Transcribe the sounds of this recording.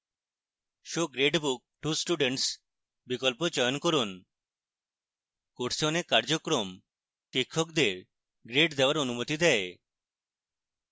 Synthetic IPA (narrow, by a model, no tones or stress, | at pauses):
ʃoɡɾeɖbuk̚ʈusʈuɖeɳʈs | bikɔlpod͡ʒɔjɔnkɔɾun | koʈsonekaɾd͡ʒokɾom | kikʰːɔkd̪eɾ | ɡɾeɖd̪ewaɾonumot̪id̪ɛe